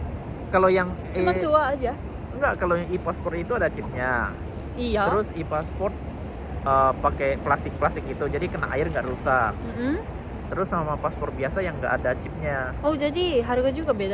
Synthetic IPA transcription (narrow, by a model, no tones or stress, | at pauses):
kalojaŋ | emat̪uaːd͡ʒa | ŋɡaʔkaloʔipaspɔrt̪it̪uadat͡ʃɪp̚ɲa | it̪əɾʊsipaspɔrt̪̚ | ʔəpakeplast̪ɪk̚plast̪ɪk̚it̪ud͡ʒadikəna̰ka̰ɪrŋɡaʔɾusahm̩ | t̪əɾʊsamapaspɔrt̪̚biasajaŋɡa̰ʔːdat͡ʃɪp̚ɲa | od͡ʒadiɦaɾuɡad͡ʒuɡabed